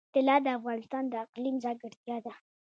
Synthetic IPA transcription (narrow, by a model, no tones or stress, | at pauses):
t̪ɪlɑd̪əafɣɑnɪst̪ɑnd̪əɪqlimzɑɡəɽt̪jɑd̪a